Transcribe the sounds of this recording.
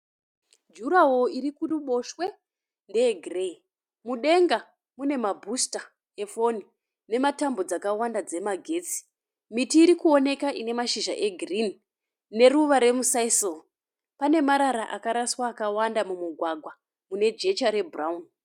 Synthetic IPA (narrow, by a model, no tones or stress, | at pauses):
d͡ʒuɾawo̞iɾikuruɓo̞ʃwe̞ | nde̞eɡʱrei | muɗe̞ŋɡa | mune̞mabʱusta | e̞fo̞ni | ne̞matambo̞d͡zakawandad͡ze̞maɡʱe̞ːt͡si̥ | mitiːɾikuo̞ne̞kaʔine̞maʃiʒa̰ʔe̞ɡʱrinː | e̞ɾuʋaɾe̞musaisol | pane̞maɾaɾaʔakaɾaswaːkawandamumuɡʱwaɡʱwa | mune̞d͡ʒe̞t͡ʃaɾe̞bʱuraun